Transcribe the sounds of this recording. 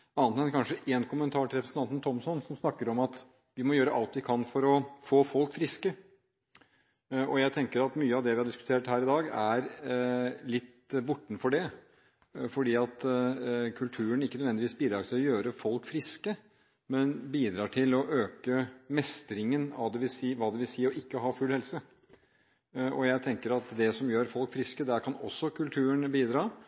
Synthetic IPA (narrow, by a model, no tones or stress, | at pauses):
ɑːnt̪ɛnkʰɑnʂəʔeːnkʰʊmənt̪ʰɑːʈʰɪɾɛpɾsn̩ʰɑnn̩t̪ʰɔmsɔnsɔmsnɑkːəɾɔmɑt̪ | ʋɪmɔjøːɾəʔɑlt̪ʋɪkʰɑnfɔɾɔfoːfɔlkfɾɪskə | ɔjæɪt̪ʰɛŋkəɾɑt̪myːəɑʋd̪ɛʋɪhɑɖɪskʉ̥t̪ʰeːʈhæːɾɪd̪ɑːɡæɾ | lɪt̪ː | bʊʈːɳ̩fɔɖɛ | fɔɖiːɑt̪ | kʰʉlt̪ʰʉːəɳɪkːnœd̪ʋɛnd̪ɪʋiːsbiːd̪ɾɑːɡsɔjøːɾəfɔlkfɾɪskə | mɛnbiːd̪ɾɑːʈʰɪlɔʔøːkəmɛst̪əɾɪŋənɑ̰ʋd̪ɛʋɪlsiːʋɑːd̪ɛʋɪlsiːəɔʔɪkːəɦɑːfʉlhɛlsə | ɔjæɪt̪ʰɛŋkəɾɑt̪d̪ɛsɔmjøːɾfɔlkfɾɪskəd̪æɾkʰɑnɔ̰sːɔkʰʉlt̪ʰʉːəɳbiːd̪ɾɑː